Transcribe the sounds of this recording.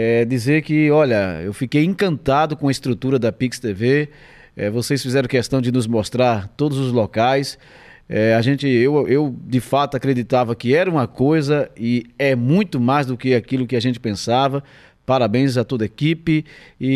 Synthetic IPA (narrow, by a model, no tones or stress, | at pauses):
ɛd̪izeɾkɪɔʎɐḛwfikejẽkɐ̃nt̪ad̪ʊkõɐɪst̪ɾut̪uɾɐd̪ɐpikst̪eve | ɛ̰vosejsfizɛɾɐ̃w̃kɛst̪ɐ̃w̃d͡ʒ̪ɪnʊzmost̪ɾaɾt̪od̪ʊzʊzlokajs | ɛaʒẽt͡ʃɪewewd͡ʒ̪ɪfat̪ʊakɾed̪it̪avɐkɪɛɾɐũmɐkojzɐɪɛmũj̃t̪ʊmajzd̪ʊkɪakilʊkɪaʒẽnt͡ʃɪ̥pẽsavɐ | paɾabẽj̃zɐt̪od̪ɐekipɪɪ